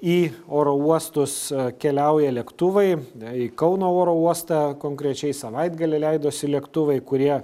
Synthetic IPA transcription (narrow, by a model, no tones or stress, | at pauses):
iːoːɾoːuɔst̪ʊskʲɛlʲɛʊjɛlʲɛkt̪ʊʋɐɪikɐʊnoːoːɾoːuɔst̪ɑkoːŋkɾʲɛt͡ʃʲɛɪsɐʋɐɪd̪ɡɐlʲɛɪlʲɛɪd̪oːsʲɪlʲɛkt̪ʊʋɐɪkʊɾʲiɛ